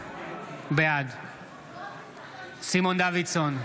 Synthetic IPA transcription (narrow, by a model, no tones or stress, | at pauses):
bead̪ | simond̪avit̪son